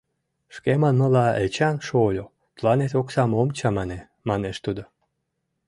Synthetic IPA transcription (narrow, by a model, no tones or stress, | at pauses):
ʃkemɑnmə̆lɑet͡ɕɑnʃolʲo | t̪lɑnet̪oksɑmomt͡ɕɑmɑne | mɑneʃt̪ud̪o